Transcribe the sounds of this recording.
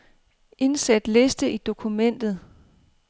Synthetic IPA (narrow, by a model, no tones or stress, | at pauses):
ʔe̝nsæd̥le̝sd̥əʔid̥o̝kʰumen̰d̥ð̩ˠ